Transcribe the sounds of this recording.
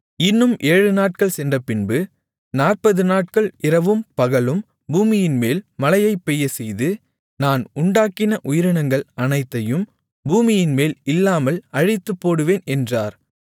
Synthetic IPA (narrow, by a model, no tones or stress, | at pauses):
ɪnːɯmʔeːɻɯnaːʈ̚kɐɭsɛndrɐpɪnbɯ | naːrpɐðɯnaːʈ̚kɐɭɪɾɐʋɯmpɐɣɐɭɯm | buːmɪjɪnmeːlmɐlɐjɐɪpːɛjːɐsɛjðɯ | naːnʊɳɖaːkɪnɐʔʊjɪɾɪɳɐŋɡɐɭɐnɐɪt̪ːɐjɯm | buːmɪjɪnmeːlɪlːaːmɐlɐɻɪt̪ːɯpːoːɽɯʋeːnɛndraːɾ